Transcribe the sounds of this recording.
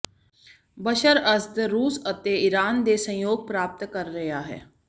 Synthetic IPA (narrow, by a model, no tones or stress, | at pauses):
bəʃəɾəsd̪ɾuːsət̪eːɪɾaːnd̪eːsə̃joːɡ̚pɾaːp̚t̪kəɾːəjaːɦɛ̰ː